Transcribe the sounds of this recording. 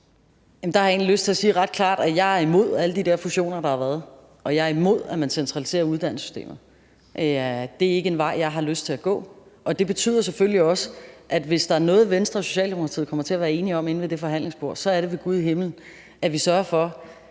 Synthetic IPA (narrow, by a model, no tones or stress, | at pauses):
jæmn̩d̥ɑ̈hɑjɑe̝̰nliløsd̥t͡sʰe̝æsiːʁɑ̈d̥̚kʰlɑ̰̈ːd̥æjɑ̈ɪæɐimo̝ð̞̰ˠæləd̥id̥eɐfuɕo̝̰ːnɐd̥ɑ̈hɑ̈ʋæːɐð̩ˠ | ʔɒ̽jɑ̈ɪɐimo̝ð̞̰ˠæmænsent͡sʰʁɑ̈lise̝̰ːɐuð̞ˠd̥æn̰ssy̥sd̥e̝̰ːmð̩ˠ | ʔd̥e̝æɐe̝ɡ̥əenʋɑ̈ɪ̰jɑ̈ɪɦɑ̈løsd̥t͡sʰe̝æɡ̥ɔ̰̽ːʔɒ̽d̥e̝b̥e̝t͡sʰy̰ð̰ˠɐs̬efølliɒ̽səʔæd̥ʋe̝sd̥ɑ̈æɐnɔ̽ːð̩ˠʋensd̥ʁɐso̝ɕɛ̰ːld̥emo̝ɑt͡sʰḭð̩̰ˠkʰɒ̽m̰ɐt͡sʰe̝ɐʋæːɐe̝ːniɒ̽me̝n̩ʋe̝d̥e̝fɒ̽ɦæn̰le̝ŋsb̥o̝ɐ̰sɒ̽æɐɾe̝ʋe̝ɡ̥uð̞ˠiɦe̝mln̩ | ʔæʋisɶɐɐfɒ̽